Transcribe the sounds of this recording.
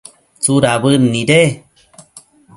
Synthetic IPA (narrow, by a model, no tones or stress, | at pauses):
t͡suɾaβɨnːiɾe